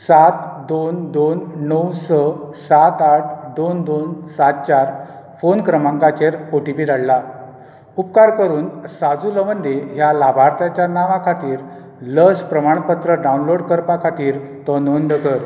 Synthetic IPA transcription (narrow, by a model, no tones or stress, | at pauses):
sat̪d̪ond̪onːəwsəsat̪aʈʰd̪ond̪onsat̪̚t͡ɕaɾ | fonkɾəmãŋkat͡ɕeɾoʈipiːd̪aɭla | upkaɾkəɾuːnsad͡zuləʋənd̪ʱejalabʱaɾt̪jat͡ɕjanaʋãkʰat̪iːɾ | ləspɾəmaɳpət̪ɾəɖaunloɽkəɾpakʰat̪iːɾt̪ɔnond̪əkəɾ